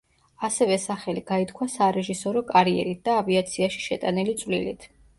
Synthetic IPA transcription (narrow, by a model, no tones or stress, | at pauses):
asɛvɛsaχɛliɡ̥ait̪ʰkʰwasaɾɛʒisɔɾɔkʼaɾiɛ̰ɾit̪̚d̪̥aːviat̪sʰiaʃi̥ʃɛt̪ʼanilit̪sʼvlḭlit̪ʰ